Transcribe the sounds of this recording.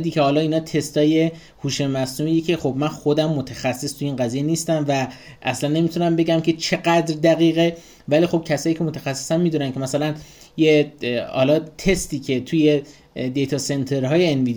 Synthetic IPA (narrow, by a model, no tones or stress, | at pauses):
d̪iːcʰe̞hɒːlɒːiːnɒːt̪ʰe̞st̪ɒːje̞ | huːʃemæsnumijecʰexo̞bmænxo̞d̪æmːot̪ʰexæsːest̪ʰujiːnɢæziːje̞niːst̪æmvæ | ʔæ̰slænːe̞miːt̪ʰunæmbe̞ɟæmcʲʰe̞t͡ʃʰe̞ɡæd̪ɾd̪æɣiːɣe | væliːxo̞b̥̚cʰæsɒːjiːcʰe̞mot̪ʰæxæsːesænmiːd̪unæncʰe̞mæsælæn | jehɒ̰ːlɒːt̪ʰe̞st̪iːcʰe̞t̪ʰuje̞ | d̪e̞jt̪ʰɒːse̞nt̪ʰeɾɦɒːjeenviːd̪